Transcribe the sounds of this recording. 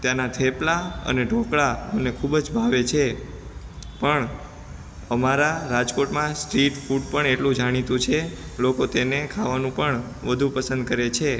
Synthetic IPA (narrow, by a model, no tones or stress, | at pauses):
t̪janat̪ʰeplaə̰neɖʱokɭaənekʰubd͡ʒbʱaʋet͡ʃʰe | pəɳ | əmaɾaɾad͡ʒkoʈmãsʈɾiʈfuɖpəɳeʈlũd͡ʒaɽ̃it̪ũt͡ʃʰelokot̪enekʰaʋanũpəɳ | ʋəd̪ʱupəsənd̪̚kəɾet͡ʃʰe